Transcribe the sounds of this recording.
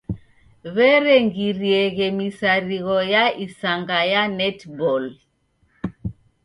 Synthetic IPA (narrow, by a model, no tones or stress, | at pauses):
βɛɾɛŋɡiɾiɛɣɛmisaɾiɣɔjaisaŋɡajanɛtbɔl